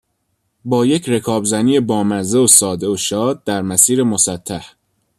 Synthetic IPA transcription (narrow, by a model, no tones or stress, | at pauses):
bɒːjecʰɾe̞kʰɒːbzæniːjebɒːmæɾzeosɒːd̪e̞oʃɒːd̪̚d̪æɾmæsiːɾemosæt̪ʰːæh